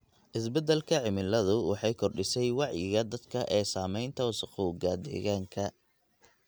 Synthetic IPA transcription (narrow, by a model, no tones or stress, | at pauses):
ʔɪs̬bɛd̪ɛlkʰɐʕɪmɪlɐðʊwɑ̰ħɑjkʰɔrɖɪsɛjwɑʕjɪɣɐd̪ɐd̪kʰɐʔɛːsaːmɛjnt̪ʰɐwʊsɐquːɡɐd̪ɛ̰ɣaːŋkʰɐ